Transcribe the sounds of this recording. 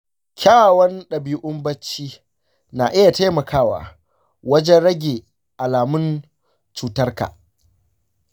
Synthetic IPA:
kʲʰaː˦˨wɐ˦nɗɐ˨biː˦ʔʊ˦mbɐ˦t͡ʃːiː˦ | na̰˨ʔɪ˦ja˨ta˦mɐ˨kʰaː˦wa̰ː˨ | wɐ˦d͡ʒɛ˦nɽɐ˦ɡʲe˨ | ʔa˨laː˨mʊ˦n | t͡ʃuː˨tɐ˦rka̰ː˨

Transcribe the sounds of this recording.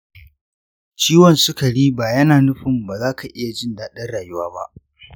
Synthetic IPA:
t͡ʃiː˦wɔ˨nsʊ˦kɐ˨ɽiː˦baː˨jɐ˦naː˨nʊ˦ɸɪ˨mbaː˨zaː˦kʰa˨ʔɪ˦ja˨d͡ʒɪ˦ndaː˨ɗɐ˦nɽaː˨jʊ˦waː˦ba̰˦ʔ

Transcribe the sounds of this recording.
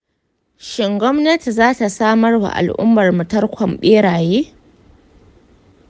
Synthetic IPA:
ʃɪ˨ŋɡʷɔ˦mnɐ˦ti˨zaː˦ta˨saː˦mɐ˦rwa̰˨ʔa̰˨lʔʊ̰˦mːɐ˨rmʊ˨tɐ˦rkʷʰɐ˨mɓeː˦ɽaː˨jeː˦

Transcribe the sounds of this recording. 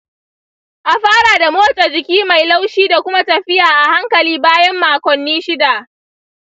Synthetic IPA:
ʔa˨ɸaː˦ɽa˨da˨moː˦t͡ʃʼa˨d͡ʒɪ˨kʲiː˦ma˨jla˦wʃiː˦da˨kʷʊ˦ma˦tɐ˨ɸɪ˦jaː˨ʔa˨ha˦ŋkɐ˨liː˦baː˦jɐ˦mːaː˨kʷɔ˨nːiː˦ʃɪ˦da˨ʔ

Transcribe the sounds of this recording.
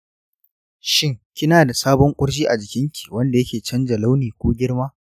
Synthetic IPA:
ʃɪ˦ŋkʲɪ˦naː˨da˨saː˦bɔ˦ŋkʷʼʊ˦ɽʃiː˦ʔa˨d͡ʒɪ˨kʲɪ˦ŋkʲi̥˨wɐ˦nda˨jɐ˦kʲeː˨t͡ʃɐ˦nd͡ʒɐ˨la˦wniː˨kʷoː˦ɡʲɪ˦ɽmaː˦

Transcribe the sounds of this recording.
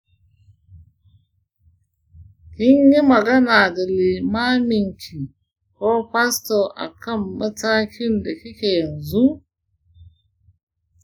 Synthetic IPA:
hi˦ɲji˦mɐ˨ɡɐ˦na˨da˨li˨maː˦mi˨ŋkʲʰi˨ | ko˦ɸa˦sto˨ʔa̰˨kɐ˦mːɐ˦ta˦kʲi˦nda˨ki˦ke˨ja˨nzu˦

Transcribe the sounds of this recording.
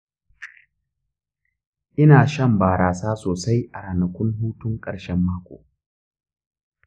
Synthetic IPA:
ʔɪ˦naː˨ʃɐ˦˨mbaː˨ɾaː˨saː˦soː˨sa˦jʔa˨ɾaː˨nɐ˨kʷʊ˦nɦuː˦tʊ˦ŋkʼɐ̰˨ɽʃɛ˦mːaː˦kʷo̰ː˨

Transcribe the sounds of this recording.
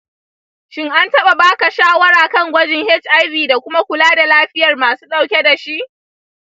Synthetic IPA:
ʃɪ˦ŋʔa˦ntɐ˦ɓa˨baː˦ka˨ʃaː˦wɐ˦ɾaː˨kɐ˦ŋɡʷɐ˦d͡ʒɪ˦ŋhɛ˦t͡ʃʔa˦jbiː˨da˨kʷʊ˦ma˦kʷʊ˨laː˦da˨laː˦ɸɪ˦jɐ˨rmaː˨su̥ː˦ɗa˦wkʲe˦da˨ʃi˦ʔ

